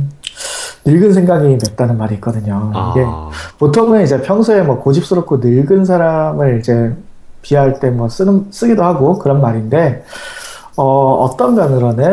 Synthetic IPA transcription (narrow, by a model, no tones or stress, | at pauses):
nɯɭɡɯnsʰe̞ŋɡaɡime̞t̚t͈anɯnmaɾiːk͈ʌdɯɲoiɡe̞potʰoŋeid͡ʑe̞pʰjʌŋsʰuemwʌkod͡ʑip̚s͈ɯɾop̚k͈ʰonɯɭɡɯns̬ʰaɾamɯɭid͡ʑe̞ | piaɭt͈e̞mwʌs͈ɯns͈ɯɡidohaɡokɯɾʌnmaɾinde̞ | ʌʌ̰t͈ʌndanɯɾʌnɯ